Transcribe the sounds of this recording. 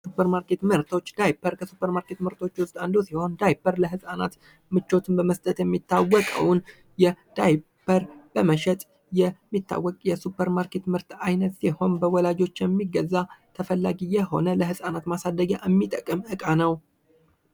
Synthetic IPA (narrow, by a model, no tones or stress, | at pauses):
supʰːəɾmaɾke̞t̪mɨɾt̪ʰo̞t͡ʃːd̪ajpʰːəɾkʰəsupʰːəɾmaɾke̞t̪mɨɾt̪ʰo̞t͡ʃːwʊst̪ʼand̪osiho̞nd̪ajbəɾləɦɨsʼana̰t̪ | mɨt͡ʃːo̞t̪ʰɨnbəməst̪ʼət̪jɛmːit̪ʰːawːɔkʼə̰wn | jɛd̪̥ajbʰəɾb̥əməʃɛt̪ʼ | jɛmːit̪ːa̰wːɔkʼjɛsupʰːəɾmaɾkʰe̞t̪mɨɾt̪ʰajnət̪siho̞nbəwɔlad͡ʒo̞t͡ʃːjɛmːiɡəzːat̪ʰəfəlːaɡijɛho̞̰nələɦɨsʼanat̪masad̪ːəɡa̰ʔɛmːit̪ʼəkʼəmʔɨkʼanəw